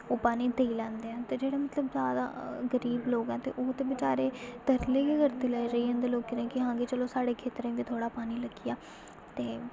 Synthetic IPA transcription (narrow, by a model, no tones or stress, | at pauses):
oːpaːniːt̪əiːlɛ̃ːnd̪eːɛ̃ːt̪eːd͡ʒeːɽaːmət̪ləbzjaːd̪a̰ːɡəɾiːbloːɡɛ̃ːt̪ḛːʔoːt̪eːbɪt͡ʃaːɾeːt̪əɾleːkekəɾt̪eːlɛiɾəiːɦə̃nd̪eːloːkːɪnẽːkɪɦãːɡeːt͡ʃəloːsaːɽeːkʰeːt̪ɾẽːbiːt̪ʰoːɽaːpaːniːləɡijaː | t̪eː